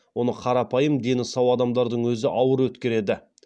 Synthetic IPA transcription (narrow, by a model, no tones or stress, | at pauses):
wo̞nəqʰɑɾɑpɑjəmd̪e̞nɪsɑwɑd̪ɑmd̪ɑɾd̪əɴwɵzɪʔɑwəɾwɵt̪kʲe̞ɾe̞d̪ɪ